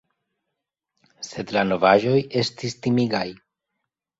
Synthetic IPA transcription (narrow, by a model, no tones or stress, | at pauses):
se̞dlano̞vaʒo̞je̞stistimiɡaj